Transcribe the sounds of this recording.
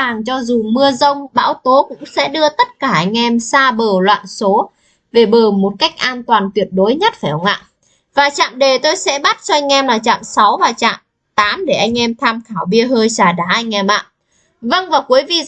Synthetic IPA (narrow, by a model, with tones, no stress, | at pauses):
aː˨˩ŋt͡ɕɔ˧zu˨˩mɨ˧əzə˧wŋ͡mɓa̰ː˧˥wt̪o˨˦kʊ̰˧˥ŋ͡msɛ̰˧˥ɗɨ˧ət̪ə˦˥t̚kaː˧˩ʔa˧jŋ̟ʔɛ˧msaː˧ɓəː˨˩lwa̰ː˧˨nso˨˦ | ve˨˩ɓəː˨˩mo˨˩t̚ka˦˥jk̚ʔaː˧nt̪waː˨˩nt̪wi˨˩ət̚ɗo˨˦jɲə˦˥t̚faː˧˩ə˨˧˩ŋ͡mŋa̰ː˧˨ʔ | vaː˨˩t͡ɕa̰ː˧˨mɗe˨˩t̪o˧jsɛ̰˧˥ɓa˦˥t̚t͡ɕɔ˧ʔa˧jŋ̟ʔɛ˧mlaː˨˩t͡ɕa̰ː˧˨msa˨˦wvaː˨˩t͡ɕa̰ː˧˨m | t̪aː˨˦mɗe˧˩ʔa˧jŋ̟ʔɛ˧mt̪ʰaː˧mxʰaː˧˩wɓi˧əɦəː˧jsaː˧˩ɗaː˧˩ʔa˧jŋ̟ʔɛ˧˩mʔa̰ː˧˨ | və˧ŋvaː˨˩ku˨˦əjvi˧˨